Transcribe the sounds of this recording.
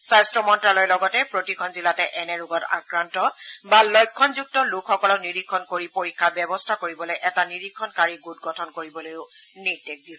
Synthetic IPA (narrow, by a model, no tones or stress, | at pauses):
sajstɹɔmɔntɹalɔjlɔɡɔtɛpɹotikʰɔnzilatɛʔɛnɛɹuɡɔta̰kɹantɔbalɔjkʰːɔnzuk̚tɔlukxɔkɔlɔkniɹikʰːɔnkoɹipoɹikʰːabɛbɔstʰakoɹibɔlojʔɛtaniɹikʰːɔnkaɹiɡut̚ɡɔtʰɔnkoɹibɔlojʊ | nidek̚dis